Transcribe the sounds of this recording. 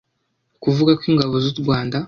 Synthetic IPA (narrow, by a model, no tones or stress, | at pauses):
kuvuɡakwiːŋɡaβozuɾɡwaːnda